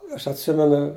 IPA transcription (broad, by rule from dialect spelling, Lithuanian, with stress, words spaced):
ˈɐʃ ɐtʲˈsʲɪmʲɛnʊ